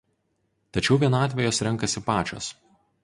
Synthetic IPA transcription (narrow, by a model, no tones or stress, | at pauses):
t̪ɐt͡ʃʲɛʊʋʲiɛnɑːt̪ʲʋʲɛjoːsɾʲɛŋˑkɐsʲɪpɑːt͡ʃʲo̰ːs